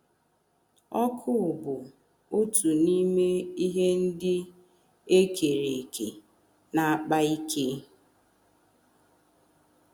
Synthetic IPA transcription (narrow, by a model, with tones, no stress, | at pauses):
ɔ˦kʰʊ˦˨bʊ˨ | o˦tu˨ni˦me˦i˦ɦe˦n̩˦dɪ˦ | e˦ke˨ɾe˨kḛ˨ | na˨a˦k͡pa˦i˦kʰe˦